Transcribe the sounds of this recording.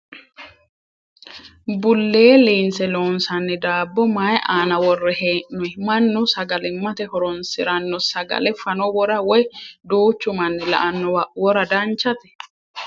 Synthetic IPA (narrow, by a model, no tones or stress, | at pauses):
bʊlːeːliːnsɛloːnsɐnːɪd̪aːbːɔmajʔaːnɐwɔrːɛheːʔnʊjmɐnːʊsɐɡɐlɪmːɐt̪ɛhɔɾɔnsɪɾɐnːɔsɐɡɐ̰lɛfɐnɔwɔɾɐwɔjd̪uːt͡ʃːʊmɐnːɪlɐ̰ʔɐnːɔwɐwɔɾɐd̪ɐnt͡ʃːɐt̪ɛ̥